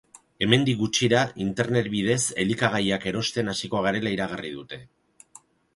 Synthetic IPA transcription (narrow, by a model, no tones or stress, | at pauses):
e̞me̞nd̪iɡut͡ʃiɾaint̪e̞ɾne̞t̪̚βið̞e̞se̞likaɣ̞ajake̞ɾo̞st̪e̞nasiko̞aɣ̞aɾe̞laiɾaɣ̞ariðut̪e̞